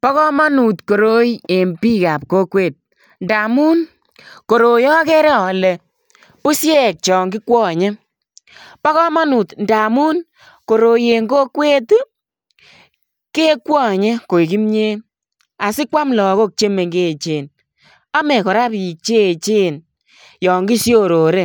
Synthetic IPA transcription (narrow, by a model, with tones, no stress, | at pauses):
pɔ˦kɔ˦ma˦nu˨tko˨ɾo˦je˨mpi˦ka˨p̚ko˦kweː˦˨t̚ | nda˨mu˦n | ko˨ɾo˨jɔ˦kɛ˦ɾɛ˦ɔ˨lɛ˨ | pu˦sjɛ˦˨k̚t͡ʃɔ˨ŋkɪ˦kwɔ˦˨ɲe˦ | pɔ˦kɔ˦ma˦nu˨tnda˨mu˦n | ko˨ɾo˨je˨ŋɡo˦kwe˦t | ke˦kwɔ˦˨ɲe˦ko˨i˨ki˦mɲe˦ | a˨sɪ˦kwa˦mlɔ˨˦ko˦k̚t͡ʃe˦me˨ŋɡe˦˨t͡ʃeː˨n | a˦mɛ˨kɔ˨ɾa˦pi˨k̚t͡ʃe˦˨t͡ʃe˦n | jɔ˨ŋɡi˦sjo˦ɾo˨ɾe˦